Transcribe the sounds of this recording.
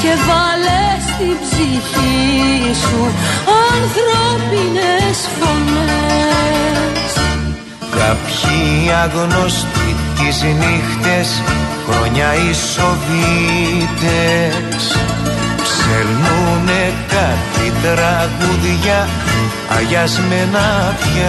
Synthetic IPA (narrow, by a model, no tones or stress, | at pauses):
ce̞vɐlest̪ibziçisuɐnθɾopinesfo̞ne | s | kɐpçiɐɣno̞st̪ic̪iznixt̪esxɾoɲɐiso̞vit̪e | s | pseɾnunekɐt̪it̪ɾɐɣuðʝɐ | ɐ̰ʝɐzmenɐpçɐ